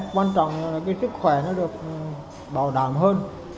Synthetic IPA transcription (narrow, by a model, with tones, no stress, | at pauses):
kwaː˧nt͡ɕɔ̰˧˨wŋ͡mːkaː˨˦jsɨ˦˥k̚xwɛ˧˩nɔ˨˦˥ɗɨ˨˩ək̚ | ɓaː˧˩wɗa̰ː˧˩mɦəː˧n